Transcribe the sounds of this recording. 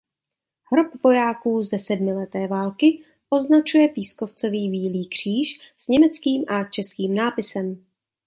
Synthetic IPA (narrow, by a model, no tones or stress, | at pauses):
ɦɾopvo̞jaːkuːzɛsɛdmɪlɛt̪ɛːvaːlkɪ | ʔo̞znat͡ʃujɛpiːskoft͡so̞viːbiːliːkr̝̥iːʃ | z̥ɲɛmɛt͡skiːmʔat͡ʃɛskiːmnaːpɪsɛm